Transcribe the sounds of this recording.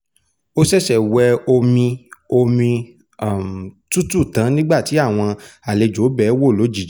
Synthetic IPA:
o˦sɛ˦˨ʃɛ˨wɛ˧o˧mĩ˧o˧mĩ˧ | a˨m˨tu˦tu˦˨tã˨˦nĩ˦ɡ͡ba˦˨ti˨˦a˦˨w̃ɔ̃˧a˨le˨d͡ʒo˨˦bɛ˨˦wo˦˨lo˨˦d͡ʒi˨˦

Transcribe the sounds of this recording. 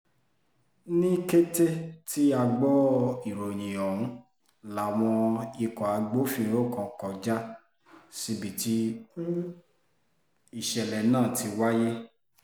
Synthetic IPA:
nĩ˦ke˦te˦ti˦a˧ɡ͡bɔ˦i˨ɾo˨j̃ĩ˨ɔ̃˨ũ˨˦ | la˨w̃ɔ̃˧i˧kɔ˨a˧ɡ͡bo˦fĩ˦˨˦ɾo˦˨kɔ̃˨kɔ˨d͡ʒa˦ | si˧bi˨ti˧kũ˦ | i˨ʃɛ˨lɛ˨nãː˦˨ti˧wa˦je˦

